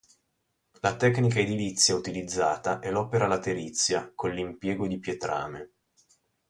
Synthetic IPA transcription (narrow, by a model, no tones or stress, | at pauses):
lat̪ɛkːnikaed̪ilit̪sːjaut̪ilid̪zːaːt̪aʔɛlɔːpeɾalat̪eɾit̪sːjakolːimpjɛːɡod̪ipjet̪ɾa̰ːme